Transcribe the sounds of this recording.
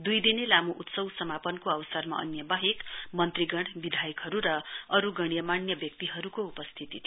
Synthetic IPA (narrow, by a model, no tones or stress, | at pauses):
d̪ujd̪inelamuʔut̪sʌwsʌmapʌnkoʌwsʌrma̰ʔʌ̰njʌbaɦekmʌnt̪riɡʌɽbid̪ʱajikɦʌɾuɾʌʌɾuɡʌɽ̃jʌmanjʌbjʌkt̪iɦʌɾukoupʌst̪ʰit̪it̪ʰi